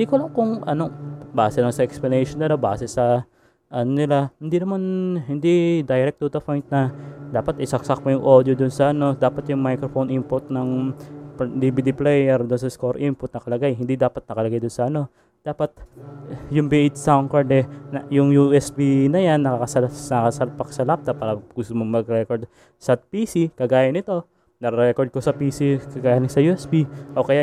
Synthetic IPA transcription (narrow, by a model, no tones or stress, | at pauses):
ɪnd̪iːkolɐŋkʊŋʔɐno̞baːsɛlɐŋsɐʔɛksplɐnɛjʃonːɪlabaːsɛsɐ | ʔɐnonɪlahɪnd̪inɐmanhɪnd̪id̪ajɾɛk̚t̪uːt̪opojnt̪̚nɐd̪aːpɐt̪ɪsɐksɐk̚pojʊŋʔo̞ːd̪jod̪ʊnsɐʔɐno̞d̪aːpɐt̪jʊŋmajkɾofonʔimpʊt̪̚nɐŋpd̪ibid̪iplɛjɛɾd̪ʊnsɐskoɾʔimpʊt̪̚nɐkɐlɐɡajɦɪnd̪id̪aːpɐt̪̚nɐkɐlɐɡajd̪ʊnsɐʔɐno̞ | d̪aːpɐt̪̚ | jʊŋbɛʔɪt̪sawŋkɐɹd̪ɛnɐjʊŋjuʔɛsbinɐjanːɐkakɐsɐnɐkɐsɐpɐksɐlap̚t̪ɐpaːɾɐɡʊst̪omoŋmɐɡ̚ɾɛkoɹd̪̚ | sɐpiːsikɐɡaːjɐnɪt̪o̞ | nɐɾɛɾɛkoɹd̪̚kosɐpiːsikɐɡaːjɐnɪsɐjuʔɛsbiʔo̞kɐja